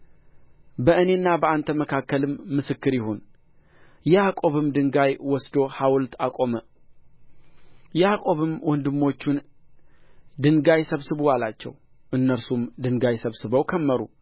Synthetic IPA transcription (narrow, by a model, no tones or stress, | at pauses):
bəɨne̞nːabəant̪ʰəməkʰakːəlɨmːɨsɨkːɨɾjɪhon | jɛakʼo̞βɨmd̪ɨŋɡajwɔsd̪o̞hawlt̪ʰakʼo̞mə | jɛhakʼo̞βɨmwʔɔnd̪ɨmːo̞t͡ʃːun | d̪ɨŋɡajsəβsɨβuwalat͡ʃːɛ̰w | ʔɨnːəɾsumd̪ɨŋɡajsəβsɨβəwkʰəmːəɾṵ